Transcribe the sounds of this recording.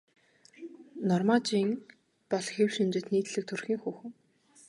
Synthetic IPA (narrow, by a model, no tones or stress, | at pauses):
nɔrmat͡ɕiːŋ | pɔɮxewʃimt͡ɕɪ̆t̪niːt̪ɮɘ̆k̚t̪ʰɵrxʲiːŋxuːxɘ̆ŋ